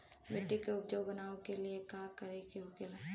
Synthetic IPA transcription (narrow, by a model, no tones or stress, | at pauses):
beʈːikeʊp̚d͡ʒoːbɐnaːõkeliekaːkɐɾekeʊkɪl